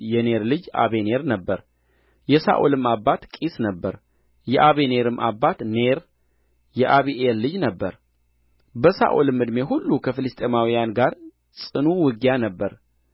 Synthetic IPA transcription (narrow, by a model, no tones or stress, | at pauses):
jɛne̞ɾlɨd͡ʒa̰βe̞ne̞ɾnəbːəɾ | jɛsa̰ʔo̰lɨmːabːat̪kʼisnəbːəɾ | jɛʔaβe̞ne̞ɾɨmːʔa̰bːat̪ne̞ɾ | jɛʔaβiʔelːɨd͡ʒnəbːəɾ | bəsa̰ʔolɨmːɨd̪me̞ɦulːukʰəfɨlɨst̪ʼe̞mawijanɡaɾ | sʼɨnuwɨɡjanəbːəɾ